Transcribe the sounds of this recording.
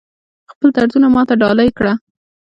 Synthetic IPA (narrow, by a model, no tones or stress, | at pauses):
xpəlt̪aɽt̪unamɑt̪aɖɑlajkɽa